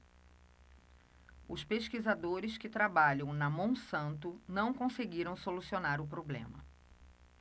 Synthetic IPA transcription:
ʊspeʃkizad̪oɾɪskɪt̪ɾabaʎɐ̃w̃nɐmõw̃sɐ̃nt̪ʊnɐ̃w̃kõseɡiɾɐ̃w̃solusionaɾʊp̬ɾoblḛ̃mɐ̰

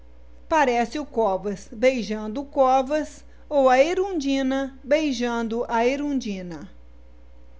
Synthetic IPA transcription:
paɾɛsɪʊkɔvɐsbejʒɐ̃nd̪ʊːkɔvɐs | owɐeɾũd͡ʒĩnɐbejʒɐ̃d̪ʊʔɐeɾũd͡ʒĩnɐ

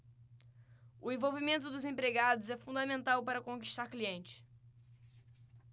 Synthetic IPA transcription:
ʊẽvowvimẽnt̪̬ʊd̪ʊzẽpɾeɡad̪ʊzɛfũnd̪ɐmẽnt̪awpaɾɐkõki̥ʃt̪aɾkliẽnt͡ʃɪ̥

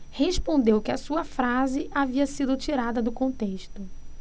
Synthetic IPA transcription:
heʃpõnd̪ewkɪɐsuɐfɾazɪʔaviɐsid̪ʊt͡ʃiɾad̪ɐd̪ʊkõnt̪eʃt̪ʊ

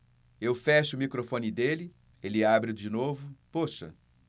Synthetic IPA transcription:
ewfɛʃʊmikɾofõnɪd̪elɪ | elɪabɾɪd͡ʒɪnovʊpoʃɐ̰

